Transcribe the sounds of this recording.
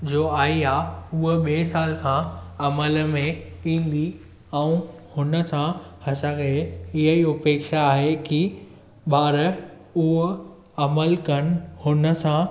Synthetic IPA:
d͡ʑoːaːiaːʊɦɓeːsaːlkʰãɐməlmẽĩːn̆d̪i | ɛ̃ũhʊnə̆sãhɐsaɡɐeɪɦəiːɦopeːkʃaːɦeki | baːɾə | ʊɦ | ɐməlkɐñhʊnə̆sã

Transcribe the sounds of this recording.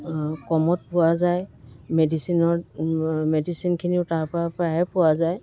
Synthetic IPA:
kɔmɔt̚pʊwazajmedisinɔɹ | medisinkʰiniʊtaɹpɔɹapɹaɦɛpʊwazaj

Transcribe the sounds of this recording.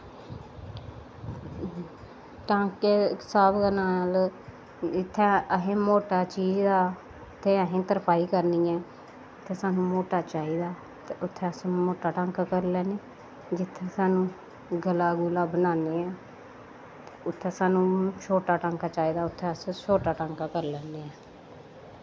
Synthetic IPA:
ʈãːŋkeːsaːbkanaːl | ɪt̪ʰːẽːəɦẽːmoːʈaːt͡ʃiːd͡ʒd̪aː | t̪ʰːeːəɦẽːt̪əɾpʰaːiːkəɾniːɛː | t̪ʰːeːsaːnũːmoːʈaːt͡ʃaːiːd̪aː | t̪eʊt̪ʰːẽːəsmoːʈaːʈãːŋkakəɾlɛːneː | d͡ʒɪt̪ʰːeːsaːnũː | ɡəlaːɡuːlaːbənaːneːɛː | t̪eʊt̪ʰːẽːsaːnũːt͡ʃʰoːʈaːʈãːŋkaːt͡ʃaːiːd̪aːʊt̪ʰːẽːəssoːʈaːʈãːŋkaːkəɾlɛːneːɛː

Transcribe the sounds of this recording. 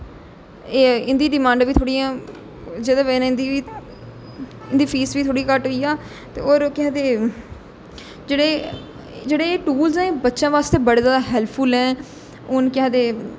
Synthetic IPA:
eːɪ̃nd̪iːɖɪmãːɳɖʋiːt̪ʰoːɽijãː | d͡ʒɪd̪ãːʋeːnːɪ̃nd̪iːiː | ɪnd̪iːpʰiːsʋiːt̪ʰoːɽĩkəʈɦoiːaː | t̪ḛːoːɾkɪãːd̪eː | d͡ʒeːɽeː | d͡ʒeːɽeːʈuːlzɛ̃ːbətːʃãːʋaːst̪eːbəɽd̪ãːd̪aɦɛːlpʰuːlɛ̃ː | ʊnkɪãːd̪eː

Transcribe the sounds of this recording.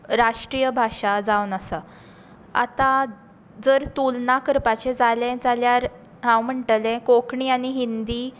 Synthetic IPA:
ɾaʂʈɾijəbʱaʂad͡zawnəsa | a̰t̪ã | d͡zəɾt̪ulnakəɾpat͡ɕed͡zalɛ̃d͡zaljaɾ | ɦãwm̤əɳʈlɛ̃kokɳiːañiɦind̪iː

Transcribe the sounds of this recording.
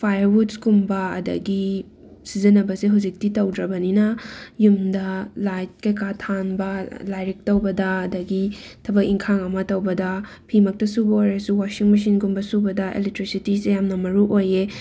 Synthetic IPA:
pʰajɐɾwutskumbɐɐ̰dɐ̰ɡi | sizinɐbɐseɦuzik̚titɐwdɾɐbɐninɐjumdɐlajt̚kɐjkatʰanbɐlajɾik̚tɐwbɐdɐːdɐɡitʰɐbɐkiŋkʰaŋɐmɐtɐwbɐdɐ | pʰimɐk̚tɐsubɐojɾɐsuwasiŋmis̬inkumbɐsubɐdɐʔḛlek̚tɾisitisejamnɐmɐɾuʔoje

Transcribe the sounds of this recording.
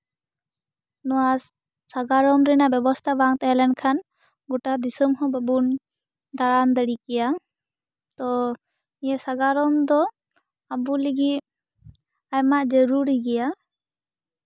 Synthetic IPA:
nɔwasː | aɡaɾɔmɾɛnaʔbɛbɔst̪ʰabaŋt̪ɛɛlɛnkʰan | ɡɔʈad̪isəmɦɔ̃bəbun | d̪aɽand̪əɽikɛja | t̪ɔ | ijɛsaɡaɾɔmd̪ɔ | abuləɡit̪ | ajmaʔd͡ʒəɾuɾiɡɛja

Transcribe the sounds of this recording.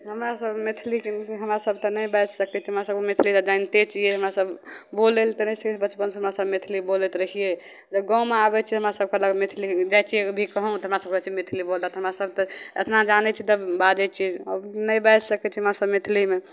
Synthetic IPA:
ɦəmɾasəbmet̪ʰlikɦəmɾasəb̚t̪ɔnəjbɛt͡ʃsəkɛt͡ʃʰiɦəmɾasəb̚kemet̪ʰlit̪ɔd͡ʒant̪et͡ʃʰieɦəmɾasəbʱbolelt̪ɔnɛsəkɛt͡ʃʰibət͡ʃpənsəɦəmɾasəbmet̪ʰlibolɛt̪ɾəɦije | d͡ʒeɡɔ̃wmeabɛt͡ʃʰiɦəmɾasəb̚keləɡemet̪ʰlid͡ʒajt͡ʃʰiebʱikəɦɔ̃t̪ɔɦəmɾasəb̚kt͡ʃʰimet̪ʰlibolat̪ɦəmɾasəb̚t̪ɔet̪ʰnad͡ʒanɛt͡ʃʰit̪əbad͡ʒɛt͡ʃʰiə̰bnəjbɛd͡ʒsəkɛt͡ʃʰiɦəmɾasəbmet̪ʰlime

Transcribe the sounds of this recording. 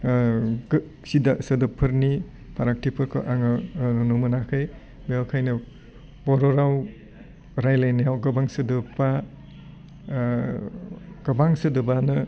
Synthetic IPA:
sidasɐdɐpʰɯɾni | pʰaɾak̚tipʰɯɾkʰɯ̰ʔaŋɯnɔnumɯnakʰɯj | beawkʰajnɯ | bɔɾɔɾaw | ɾajlajnajawɡɐbaŋsɯdɯpa | ɡ̥ɐbaŋsɯdɯbanɯ

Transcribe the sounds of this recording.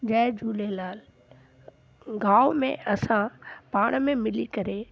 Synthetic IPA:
d͡ʑɛːd͡ʒʱuːlelaːl | ɡaːʋmḛ̃ɐsãpaːɽ̃mẽmɪlikɐɾe

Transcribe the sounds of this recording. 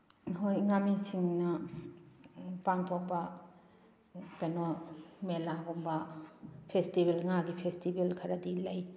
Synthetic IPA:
ɦojŋamisiŋnɐ | paŋtʰok̚pɐ | kɐjnomelaɡombɐpʰestibelŋaɡipʰestibelkʰɐɾɐdilɐj

